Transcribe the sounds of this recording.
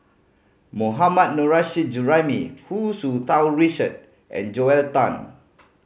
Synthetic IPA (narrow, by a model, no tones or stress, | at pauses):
moɦamat̚noɹaʃid͡ʒuɹamihusut̪awɹit͡ʃəd̚ | ʔɛ̰̃nd͡ʒoɛltãn